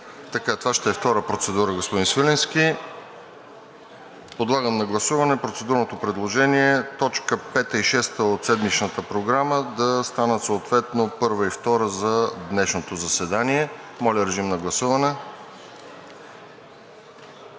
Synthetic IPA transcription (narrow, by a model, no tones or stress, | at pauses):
t̪ɐkat̪ovaʃt̪ɛːft̪ɔɾəpɾot̪sɛd̪uɾəɡospod̪insvilɛnsk̟i | pod̪lˠaɡəmnɐɡlˠɐsuvɐnɛpɾot̪sɛd̪uɾnot̪opɾɛd̪lˠoʒɛniɛt̪ɔt͡ʃkəpɛt̪əiʃɛst̪əot̪sɛd̪mit͡ʃnət̪əpɾoɡɾaməd̪ɐst̪anəsoːt̪vɛt̪nopɤɾvəift̪ɔɾəzɐd̪nɛʃnot̪ozɐsɛd̪aniɛmɔlʲəɾɛʒimnɐɡlˠɐsuvɐnɛ